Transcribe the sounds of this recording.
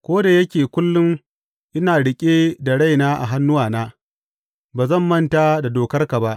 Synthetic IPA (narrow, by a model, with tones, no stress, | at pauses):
kʷoː˦da˨jɐ˦kʲeː˨kʷʊ˦lːʊ˦ŋ | ʔɪ˦naː˨ɽɪ˦kʲʼeː˦da˨ɽa˦˨jnaː˦ʔa̰˨ɦa˦nːʊ˦waː˨naː˦ | baː˨zɐ˦˨mːɐ˦ntaː˦da˨doː˨kɐ˦rka˨ba˦ʔ